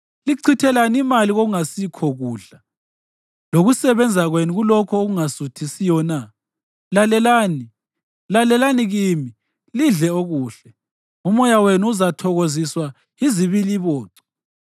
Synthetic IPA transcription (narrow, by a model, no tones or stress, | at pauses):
liǀʰitʰɛlanimaliɣoɣuŋasikʰɔɣuːɬa | loɣusɛβɛnd͡zʱaɣwenuɣulɔkʰɔoɣuŋasutʰisijɔna | lalɛlaːni | lalɛlaniɣiːmi | liɮɛoɣuːɬɛ | umɔjawenuuzatʰɔɣoziswa | iziβiliβɔːǀɛ̥